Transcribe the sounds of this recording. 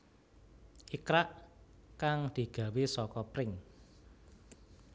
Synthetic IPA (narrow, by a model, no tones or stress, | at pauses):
hikɾaʔ | kaŋd̪̥i̤ɡ̥ä̤wesɔkɔpɾɪŋ